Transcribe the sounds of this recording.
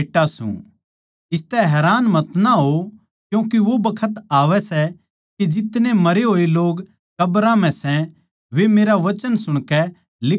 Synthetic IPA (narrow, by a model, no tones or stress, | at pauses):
ʈːasṵ̃ | ɪst̪ɛɦɛːɾaːnmɐt̪naɦo | kjũːkiʋobɐkʰət̪aːʋɛsɛ | kid͡ʒɪt̪nẽmɐɾeɦoːeloːɡ | kɐbɾãm̤ɛ̃sɛ̃ | ʋemeːɾaʋɐt͡ʃənsʊɽ̃kɛ | lɪ